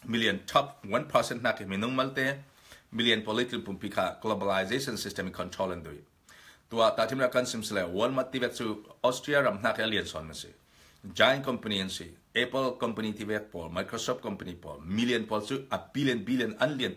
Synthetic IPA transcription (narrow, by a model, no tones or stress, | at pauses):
milijɐntʰɔp̚wɐnpʰɐsɛnt̚nakːeminuŋmɐlt̪e | miliɐnpɔlitipumpikʰaɡlobalajzesɔnsistemikʰːɔntʰɾolɐndṵj | t̪uat̪atʰimɾakɐnsimsilewɐnmɐt̪̚tːivet̚t͡suɔstɾiaɾɐmn̥akʰiɐliensɔ̰nmisḭ | d͡ʒajnkɔmpɐniɐnsḭ | epəlkɔmpɐnit̪ivet̚pɔlmajkɾosɔf̚t̚kɔmpɐnipɔ̰lmiliɐnpɔlt͡suabiliɐnbiliɐnɐnliən